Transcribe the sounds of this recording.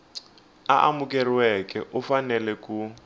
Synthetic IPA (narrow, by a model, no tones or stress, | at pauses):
aʔa̰mukɛriwɛkɛʔufanɛlɛku